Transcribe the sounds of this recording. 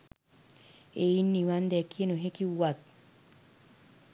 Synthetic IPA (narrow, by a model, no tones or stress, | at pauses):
einːiwand̪ɛkenoɦekiwat̪̚